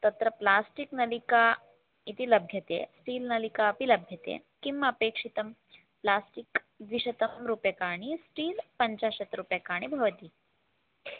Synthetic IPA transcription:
t̪ɐt̪ɾɐplaːsʈiknɐlika | it̪ilɐbʱjɐt̪ḛsʈiːlnɐlikaːpilɐbʱjɐt̪ḛ | kimːɐːpeːkʂit̪ɐm | plaːsʈik | ʋiʂɐt̪ɐmɾuːpjɐkaːɽ̃isʈiːlpɐɲt͡ɕaːʃɐt̪ɾupjɐkaːɽ̃ibʱɐʋɐt̪iː

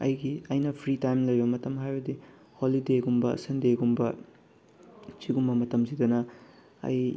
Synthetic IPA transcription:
ɐ̰jɡiɐjnɐpʰɾitajmlɐjbɐmɐtɐmɦajbɐdi | holideɡumbɐ̰sɐndeɡumbɐ | t͡ʃiɡumbɐmɐtɐmzidɐnɐ | ɐ̰j

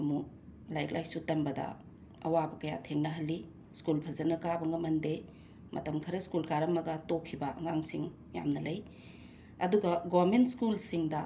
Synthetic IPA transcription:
mu | lajk̚lʔajsutɐmbɐdɐ̰ | ɐ̰wabɐkɐja̰tʰeŋnɐɦɐlːi | skulpʰɐzɐnɐkabɐŋɡɐmɐnde | mʔɐ̰tɐmkʰɐɾɐskulkaɾɐmɐɡɐtokʰːibɐʔɐŋaŋsiŋ | ja̰mnɐlɐj | ɐduɡɐɡomentskulsiŋdɐ

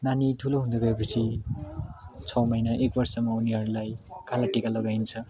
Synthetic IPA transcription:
nanitʰuloɦund̪ʌɡapʌsʰi | t͡sʰʌwmʌjnʌʔek̚bʌɾsʌmʌuniɦʌɾulajkʰalaʈekalʌɡajnt͡sʰʌ

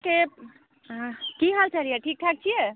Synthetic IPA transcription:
ke | kiɦəlt͡ʃaɾijeʈʰik̚ʈʰak̚t͡ʃʰije

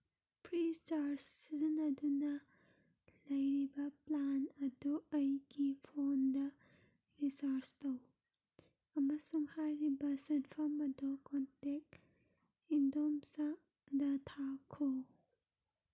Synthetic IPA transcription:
pʰɾit͡ʃaɾsːizinɐdunɐ | lɐjɾibɐplanɐduɐjɡipʰondɐ | ɾisaɾstow | ɐmɐsuŋhajɾibɐsɐnpʰɐmɐdokontek̚ | indomsa | dɐtʰakʰo

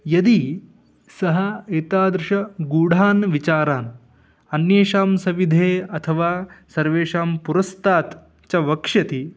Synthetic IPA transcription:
jɐd̪i | sɐɦɐeːt̪aːd̪ɾɪʃɐɡuːɽ̤ʱaːnʋit͡ʃaːɾaːn | ɐnjeːʃaːmsɐʋid̪ʱeːɐt̪ʰɐʋaːsɐɾʋeːʃaːmpuɾɐst̪aːt̪ | t͡ʃɐʋɐkʂɐt̪i

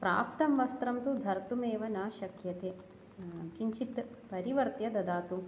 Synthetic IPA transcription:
pɾa̰ːp̚t̪ɐmʋɐst̪ɾɐmt̪ud̪ʱɐɾt̪umeːʋɐnaːʃɐkjɐt̪eː | t͡ʃiɲt͡ʃit̪pɐɾiʋɐɾt̪jɐd̪ɐd̪aːt̪u

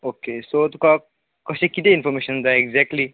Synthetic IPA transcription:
okesot̪uka | kɔsekit̪einfɔɾmeʃə̃nd̪ajɛɡzɛk̚ʈli

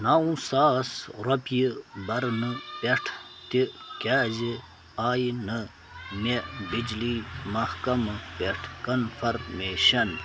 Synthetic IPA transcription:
naũsaːsɾɐpjibɐɾnɨpeʈʰ | t̪ikʲaːzi | aːjnɨ | mebid͡ʒliːmɐhkɐmɨpeʈʰkɐnfʰɐɾmeːɕɐn

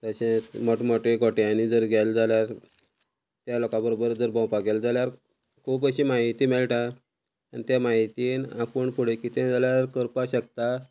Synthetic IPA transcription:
t̪əɕẽmɔʈmɔʈeɡɔʈjanid͡zəɾɡɛld͡zʱaljaɾ | t̪jalɔkãbəɾobəɾd͡zəɾbãwpaɡeld͡zaljaɾ | kʰuːpəɕimaɦit̪iːmeɭʈa | anit̪jamaɦit̪iːnapuɳpuɽekiːt̪ẽd͡zaljaɾkəɾpaɕək̚t̪a

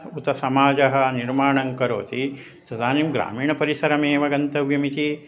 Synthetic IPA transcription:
ut̪ɐsɐmaːd͡ʒɐɦɐ̆niɾmaːɳɐŋkɐɾo̰ːt̪i | t̪ɐd̪aːniːmɡɾa̰ːmiːɳɐpɐɾisɐɾɐmeːʋɐɡɐnt̪ɐʋjɐmit̪i

